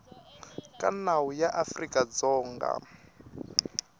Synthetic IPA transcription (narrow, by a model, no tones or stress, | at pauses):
kʼanawujaʔafrikʼad͡zɔːŋɡa̰